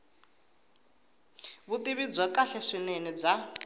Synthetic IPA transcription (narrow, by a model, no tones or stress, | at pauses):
βut̪ʼiβid͡zwɛkaɬɛʂinenib͡ʐa